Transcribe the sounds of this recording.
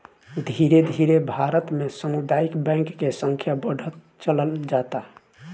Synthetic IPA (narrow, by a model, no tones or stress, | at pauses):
d̪ʱiɾed̪ʱiɾebʱaɾət̪mesəmud̪aikbɛ̃ŋkːesə̃ŋkʰjabəɽ̤ʱət̪ | t͡ʃələld͡ʒat̪a